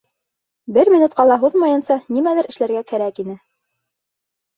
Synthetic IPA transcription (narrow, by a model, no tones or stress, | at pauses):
bɘɾmʲinut̪̚qɑlˠɑɦuðmɑjɤ̆nsɑnimælɘɾɘ̆ʃlæɾɡækæɾækinɘ